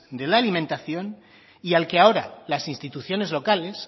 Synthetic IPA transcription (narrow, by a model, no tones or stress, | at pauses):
d̪e̞laːlimẽnt̪aθjo̞n | ialkeao̞ɾa̰lasinst̪it̪uθjo̞ne̞zlo̞kale̞s